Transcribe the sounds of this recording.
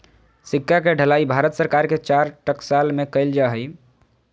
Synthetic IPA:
sikːakeɖʱəlaibʱaɾət̪səɾkaɾket͡ʃaɾʈəksalmekəɪld͡ʒaɦəj

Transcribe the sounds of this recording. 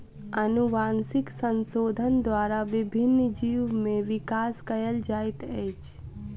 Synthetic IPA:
ənuʋaːnsɪksənsoːd̪ʱənd̪waːɾaʋɪbʱɪnːd͡ʒiːʋmẽʋɪkaːskəjəld͡ʒaːɪt̪ɛt͡ʃ

